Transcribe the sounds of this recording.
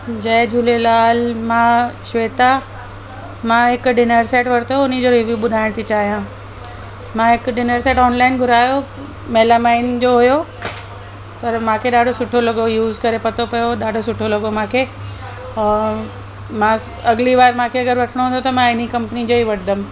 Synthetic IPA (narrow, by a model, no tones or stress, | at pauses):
d͡ʑɐd͡ʑʱulelaːlmãʃʋeːt̪a | mãɦɪkɖɪnəɾseːʈʋɐɾt̪ʰoʊnid͡ʑoɾeʋjuɓʊd̪ʱaːɪɽ̃t̪ʰit͡ɕaːɦijã | mãːɦɪkɖɪnəɾseːʈɔːnlaːɪnɡʱʊɾaːjo | meːlamaːɪnd͡ʑoɦʊjo | pɐɾmãːkʰeɗaːɖʱosʊʈʰolɐɡojuːzkɐɾepɐt̪ʰopɐjoɗaːɖʱosʊʈʰolɐɡomãːkʰeː | mãː | ɐɡliʋaːɾmãːkʰeɐɡəɾʋɐʈʰɪɽ̃oɦũːnd̪ot̪ɐmãɪnikɐ̃mpnid͡ʑoːɦiʋɐʈʰɪd̪əm